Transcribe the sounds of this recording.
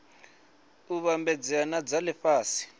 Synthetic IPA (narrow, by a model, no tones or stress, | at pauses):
uβambɛd͡zianad͡zalɪfaːsi̥